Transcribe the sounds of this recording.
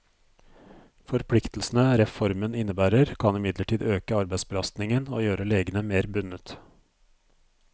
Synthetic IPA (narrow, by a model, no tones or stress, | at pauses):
fɔɾpʰlɪkt̪l̩snəɾɛfɔɾmənɪnːəbæːɾəɾkʰɑnɪmɪd̪ləʈʰiːd̪øːkəɑɾbæɪsbəlɑst̪nɪŋənoːjøːɾəleːɡənəmeːɾbʉnət̪